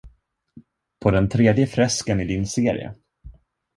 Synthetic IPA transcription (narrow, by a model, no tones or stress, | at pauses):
pʰɔd̪ɛnt̪ʰɾeːd̪jəfɾɛskənɪd̪ɪnseːɾɪ̰ə̰